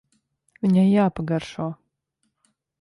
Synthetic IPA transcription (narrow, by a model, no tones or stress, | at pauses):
vʲiɲajjaːpaɡaɾʃuɔ